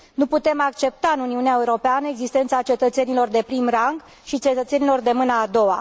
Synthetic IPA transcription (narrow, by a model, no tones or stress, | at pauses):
nuput̪e̞makt͡ʃe̞p̚t̪aɨnuniuneaeuɾo̞peanəe̞ɡzist̪e̞nt̪sat͡ʃe̞t̪ət̪se̞nilo̞rd̪e̞pɾimraŋɡ | ʃit͡ʃe̞t̪ət̪se̞nilo̞rd̪e̞mɨnaːd̪o̞wa